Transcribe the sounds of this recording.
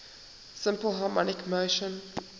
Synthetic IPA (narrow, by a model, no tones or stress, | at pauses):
sɪ̃mpəl̩ˠɦɑmɔnɪkməʊʃə̃n